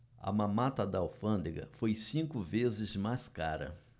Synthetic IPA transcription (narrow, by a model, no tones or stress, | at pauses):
ɐ̰mɐ̃mat̪ɐd̪ɐawfɐ̃nd̪eɡɐ̰fojsĩkʊvezɪzmaskaɾɐ̰